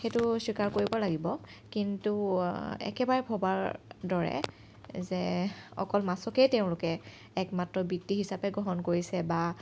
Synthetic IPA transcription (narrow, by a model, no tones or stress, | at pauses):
xejtʊswikaɹkoɹibɔlaɡibɔkintuɛ̰kɛbaɹɛbʰʱɔbaɹdɔɹɛ̰ | zɛɔ̰kɔlmasɔkejteʊ̃lʊkɛː | kmatɹɔbitːiɦisapɛɡɹɔɦɔnkoɹisɛba